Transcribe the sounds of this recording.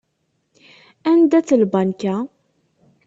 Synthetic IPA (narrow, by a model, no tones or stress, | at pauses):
ænd̪æt͡sːəlbɑnka